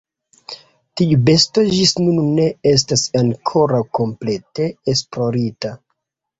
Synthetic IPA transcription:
tiube̞sto̞d͡ʒisnunne̞e̞s̬tasaŋkʰo̞ɾawko̞mple̞te̞ːsplo̞ɾita

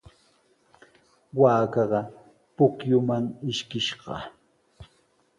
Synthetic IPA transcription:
waːkɑɢɑ | pʊkjʊmaŋɪʃkɪʃɢɑ̰

